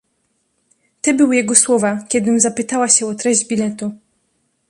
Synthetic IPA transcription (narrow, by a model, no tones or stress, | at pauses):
t̪ɛbɘwjɛɡɔswɔvakʲɛd̪ɘmzapɘt̪awaɕɛɔt̪ɾɛʑd͡ʑbʲilɛt̪u